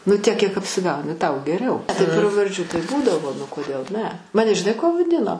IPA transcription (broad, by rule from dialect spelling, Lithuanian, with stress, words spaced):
nʊ ˈtʲiɛk kʲiɛk ɐpʲsʲɪˈɡɐʊnʲɪ ˈtɐʊ ɡʲɛˈrʲɛʊ tɐɪ prɐʋɐrʲˈd͡ʒʲuː tɐɪ ˈbuːdɐʋoː nʊ koːˈdʲeːlˠ nʲɛ ˈmɑːnʲɛ ʒʲɪˈnɐɪ kuɔ ʋɐˈdʲɪnoː